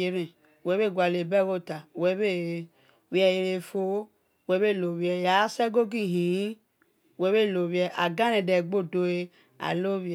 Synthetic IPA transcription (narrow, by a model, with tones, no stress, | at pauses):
e˨ɾẽ˨ | wɛ˨˦βe˦˨ɡʷa˨le˨bɛ˦wo˦˨ta˨wɛ˨˦βe˦˨ | wi˦ɛ˨je˧ɾe˧fo˦˨ | wɛ˨˦βe˦˨lo˨βi˨˦ɛ˨ja˨˦sɛ˦ɡo˦ɡi˦˨ɦĩ˨˦˨ | wɛ˨˦βe˦˨lo˨βi˦ɛ˨ʔa˨ɡã˦nẽ˨dɛ˨ɡ͡bo˦˨do˨e˧ | a̰˨lo˦β